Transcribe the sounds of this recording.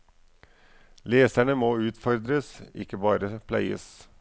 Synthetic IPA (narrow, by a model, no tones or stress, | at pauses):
leːsæɳəmoːʉːt̪fɔɾd̪ɾəsɪ̰kːəbɑːɾəpʰlæɪə̰s